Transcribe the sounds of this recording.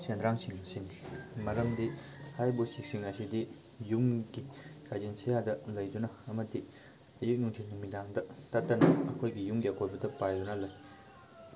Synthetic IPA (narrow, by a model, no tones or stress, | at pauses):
send̪ɾaŋsiŋsenimɐɾɐmd̪ihajbosik̚siŋasid̪i | jumɡikʰad͡ʑensejad̪ɐlɐjd̪unɐːmɐt̪i | ɐjuk̚nuŋtʰennimid̪aŋd̪ɐt̪at̪ːɐnɐɐkʰojɡijuŋɡakʰojbɐd̪ɐpajd̪unɐlɐj